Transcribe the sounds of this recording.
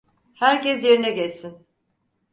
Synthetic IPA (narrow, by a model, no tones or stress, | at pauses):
hæɾcɛsjeɾinɛɟɛsin